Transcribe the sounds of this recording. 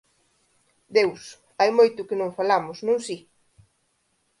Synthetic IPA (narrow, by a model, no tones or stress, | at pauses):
d̪ews | ajmojt̪ʊkɪnõŋfalamʊsnõŋsi